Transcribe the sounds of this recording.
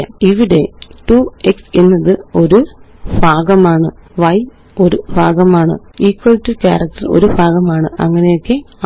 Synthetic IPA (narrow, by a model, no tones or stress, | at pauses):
iʋiɽe̞ʈuekse̞nːɐðɨo̞ɾu | bʱaːɡɐmaːɳɨʋɐj | o̞ɾubʱaːɡɐmaːɳɨ̰iːkːwɐltːɨka̰ːrɐk̚tːɐro̰ɾubʱaːɣɐmaːɳɨʔɐ̰ŋːɐne̞jo̞kːe̞